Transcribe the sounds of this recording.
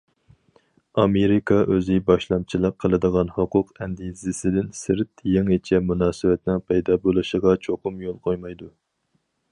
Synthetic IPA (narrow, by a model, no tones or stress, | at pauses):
ɑmeɾɪkʰɑʔøzɪbɑʃlˠɑmt͡ʃʰilˠəqʰːəlˠɨd̪əʁɑnhoqʰʊqɛnd̪izɪsɪd̪ɪnsɪɾt̪jeŋɪt͡ʃʰɛmunɑːsɨwɛt̪nɪŋpʰɛjd̪ɑːbolˠɨʃəʁɑt͡ʃʰoqʰʊmjolˠqʰojmɑjd̪u